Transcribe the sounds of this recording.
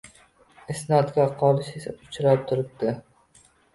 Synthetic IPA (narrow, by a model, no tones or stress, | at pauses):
ɪsnad̪ɡʲaqʰɒlˠɪʃesaʊ̥t͡ʃʰɾap̚t̪ʰʊɾɪp̚d̪ɪ